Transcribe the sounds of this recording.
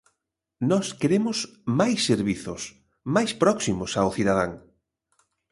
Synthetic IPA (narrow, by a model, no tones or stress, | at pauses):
nɔskeɾemʊsmajsːeɾβiθʊs | majspɾɔksimʊsawθiðaðaŋ